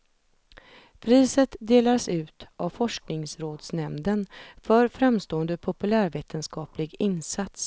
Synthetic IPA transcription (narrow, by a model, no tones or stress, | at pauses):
pʰɾiːsət̪d̪eːlasʉ̟ːt̪avfɔʂknɪŋsɾoːd̪snɛmd̪ənfœɾfɾamst̪oːənd̪əpʰʊpɵlæːɾveːt̪ʰənskɑːplɪɡɪnsat̪s